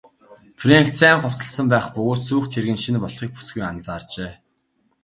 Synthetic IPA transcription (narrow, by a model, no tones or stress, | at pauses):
frʲeŋkt͡sæːŋχʊw̥t̪ə̆ɮsə̆mpæːχpɵɣoːt̪suːxt̪ʰeɾɣɘ̆nʃinpɔɮχiːk̚pu̥sɡujant͡saːrt͡ɕeː